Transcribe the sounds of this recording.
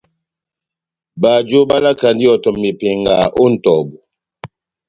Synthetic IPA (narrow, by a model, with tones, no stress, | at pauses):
ba˨d͡ʒo˦ba˦la˦ka˨ndi˦ɔ˨tɔ˨mːi˨pe˨ŋ˨ɡa˨ʔo˦n̩˨tɔ˨bu˨